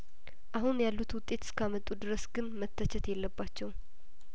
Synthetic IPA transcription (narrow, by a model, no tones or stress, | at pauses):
ʔaɦunjalːut̪wʊt̪ʼːe̞t̪ʰskʰamət̪ʼːud̪ɨɾəsɡɨnmət̪ʰːət͡ʃʰɛt̪jɛlːəbːat͡ʃːɛw